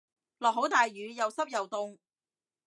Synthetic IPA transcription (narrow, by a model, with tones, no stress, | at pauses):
lɔː˨k̚ɦo˨˥wt̪aː˨jɥyː˨˧jɐ˨˧wsɐ˥p̚jɐ˨wt̪ʊ˧ŋ